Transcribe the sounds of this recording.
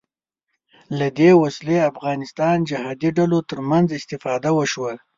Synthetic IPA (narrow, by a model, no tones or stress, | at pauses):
lad̪ewasleafɣɑnɪst̪ɑnd͡ʒɪhɑd̪iɖalot̪əɾmanzɪst̪ɪfɑd̪awəʃwa